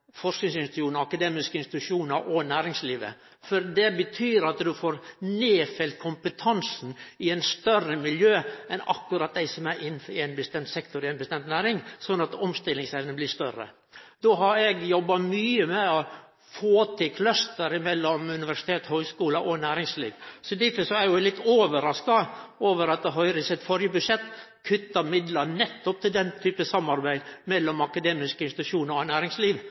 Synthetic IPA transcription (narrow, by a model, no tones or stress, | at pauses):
fɔʂknɪŋsɪnsuːnəɑkɑd̪eːmɪskəɪnsɪt̪ʉʂuːnɑɾʔɔnæːɾɪŋsliːʋə̰ | fɔɾd̪ɛbət̪ʰyːɾɑt̪d̪ʉfoːɾneːfɛlt̪̚kʰʊmpət̪ʰɑnsn̩ɪæɪnst̪œrəmɪljøːɛnɑ̰kːʉɾɑt̪̚d̪æɪsɔmæɾʔɪnːfæɪnbəst̪ɛmt̪sɛkt̪ʊɾɪɛɪnbəst̪ɛmt̪næːɾɪŋsɔnːɑt̪ɔmst̪ɪlɪŋsɛʋənəblɪst̪œɾə̰ | d̪oːɦɑɾɛɡjɔbːɑmyːəmɛɔ | foːt̪ʰɪkʰlɑst̪əɾɪmɛlːɔmʉnɪʋæʂɪ̥t̪ʰeːt̪høʏskuːləʔɔnæːɾɪŋslḭːʋsɔd̪æfəsɔæɾjʊɛlɪt̪ːoːʋəɾɑskɑoːʋəɾɑt̪̚ɦœʏɾəsɛt̪fɔɾjəbʉd̪ʂɛt̪ː | kʰʉt̪ːɑmɪd̪lɑnɛt̪ːɔp̚t̪ʰɪld̪ɛnt̪ʰyːpəsɑmːɑɾbæɪmɛlːɔmɑkɑd̪eːmɪskəɪnst̪ɪt̪ʉʂuːnəɾɔnæːɾɪŋsliːʋ